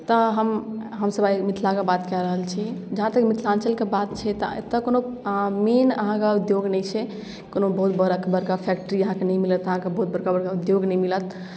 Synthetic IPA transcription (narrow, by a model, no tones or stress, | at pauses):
t̪əɦəmɦəmsəbajmit̪ʰlakebat̪kɛɾəɦəlt͡ʃʰid͡ʒəɦãt̪əkmit̪ʰlãnsəlkebat̪t͡ʃʰɛt̪ɔt̪əkonomenəɦãkeud̪joɡnɛjt͡ʃʰɛ | konobəɦut̪bəɾəkbəɾkapʰɛk̚ʈəɾiəɦãkenɛjmilət̪əɦãkebəɦut̪̚bəɾkabəɾkaud̪joɡnɛmilət̪